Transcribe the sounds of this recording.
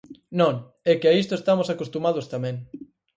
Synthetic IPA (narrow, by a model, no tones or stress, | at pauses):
nõŋ | ɛkɪaist̪oest̪amosakost̪umað̞ost̪amɛ̃ŋ